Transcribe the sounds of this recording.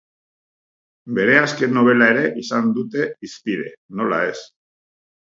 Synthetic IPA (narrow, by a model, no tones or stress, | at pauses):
be̞ɾe̞aske̞nːo̞β̞e̞lae̞ɾe̞ʔisand̪ut̪e̞ispiðe̞̰no̞la̰e̞s